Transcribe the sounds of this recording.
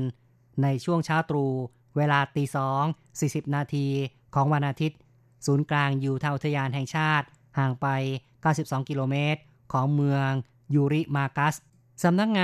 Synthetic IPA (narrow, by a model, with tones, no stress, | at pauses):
n | na˧jt͡ɕʰu˥˩əŋt͡ɕʰaː˦˥˩wt̪ɾuː˧ | weː˧laː˧t̪iː˧sɔː˩˦ŋ | siː˨˩si˨˩p̚naː˧t̪ʰiː˧ | kʰɔː˩˦ŋwa˧nʔaː˧t̪ʰi˦˥t̪̚ | suː˩˦nklaː˧ŋjuː˨˩t̪ʰa˧ŋʔu˩t̪ʰːa˧jaː˧nɦɛ˨˩ŋt͡ɕʰaː˥˩t̪̚ | haː˨˩ŋpa˧j | kaː˥˩wsi˨˩p̚sɔː˩˦ŋkiː˧loː˧meː˦˥t̪̚ | kʰɔː˩˦ŋmɯ˧əŋ | juː˧ɾi˦˥˩maː˧ka˦˥s | sa˩˦mna˦˥k̚ŋaː˧